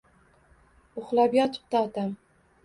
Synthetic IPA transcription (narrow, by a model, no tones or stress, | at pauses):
ʊχlˠabjɒt̪ʰʊ̥p̚t̪aɒt̪ʰam